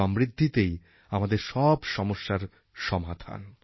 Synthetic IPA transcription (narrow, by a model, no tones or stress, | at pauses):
ɔmɾid̪ʱːit̪ej | amad̪eɾʃɔbʃɔmoʃːaɾ | ʃɔmad̪ʰʱa̰n